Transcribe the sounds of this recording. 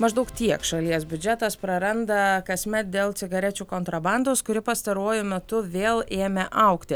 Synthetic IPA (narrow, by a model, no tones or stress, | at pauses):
mɐʒd̪ɐʊkt̪ʲiɛkʃɐlʲiɛsbʲʊd͡ʒʲɛt̪ɐspɾɐɾɐnd̪ɐkɐsʲmʲɛt̪̚d̪ʲeːlˠt̪sʲɪɡɐɾʲɛt͡ʃʲuːkoːnt̪ɾɐbɑnd̪oːskʊɾʲɪpɐst̪ɐɾuɔjʊmʲɛt̪ʊʋʲeːlˠeːmʲeʔɐʊkt̪ʲɪ